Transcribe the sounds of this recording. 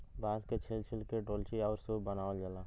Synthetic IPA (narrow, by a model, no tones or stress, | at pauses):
baːzket͡ʃʰɪlt͡ʃʰɪlkeʈoːlt͡ʃʰiɔːɾsuːbənaːʋəld͡ʒəlaː